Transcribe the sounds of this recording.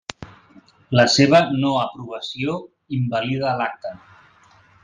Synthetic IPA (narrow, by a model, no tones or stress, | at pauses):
ləseβ̞ənoəpɾuβ̞əsio | imbəliðəːlak̚t̪ə